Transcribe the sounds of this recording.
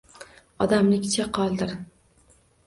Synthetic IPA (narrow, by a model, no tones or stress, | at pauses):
ɒ̰d̪amlɪkʲt͡ʃʰaqʰɒlˠd̪ɪɾ